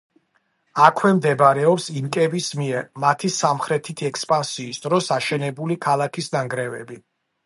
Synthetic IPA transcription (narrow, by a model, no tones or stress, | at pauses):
akʰwɛmd̪ɛbaɾɛɔpsimkʼɛbismiɛɾmat̪ʰisamχɾɛt̪ʰit̪ʰɛkspʼansiːsd̪ɾɔsaʃɛnɛbulikʰalˠakʰisnaŋɡɾɛvɛ̰bi